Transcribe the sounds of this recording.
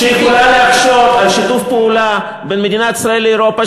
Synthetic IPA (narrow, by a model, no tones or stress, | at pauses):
eikulanaakʃoalʃit̪ufpeula | benmed̪inat̪i̥sʁaelːeeɾopa